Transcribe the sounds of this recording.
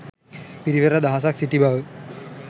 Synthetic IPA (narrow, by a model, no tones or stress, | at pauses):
piɾiʋerɐd̪aːs̬aksiʈːiba